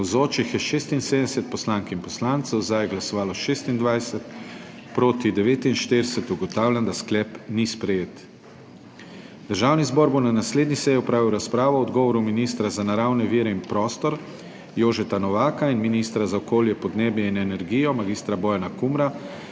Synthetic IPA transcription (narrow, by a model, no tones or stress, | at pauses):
zoːt͡ʃixjɛʃeːst̪inseːd̪ɛsɛt̪̚pɔslaːŋkinpɔslaːnt̪sɛwzd̪ajɛɡlasɔʋaːlɔʃeːst̪ind̪ʋajsɛt̪ | pɾoːt̪id̪ɛʋeːt̪inʃt̪ed̪ɛsɛt̪uɡɔt̪aːwlʲand̪asklɛpnispɾɛjeːt̪ | d̪əɾʒawnizbɔːɾbonanasleːd̪nisɛjiɔpɾaːʋiwɾaspɾaːʋɔɔd̪ɡɔːʋɔɾuminiːst̪ɾazanaɾawnɛʋiːɾɛinpɾɔːst̪ɔɾ | joːʒɛt̪anɔʋaːkainminist̪ɾazaɔkoːljɛpɔd̪neːbjɛinɛnɛɾɡijɔmaɡiːst̪ɾabɔjanakumɾa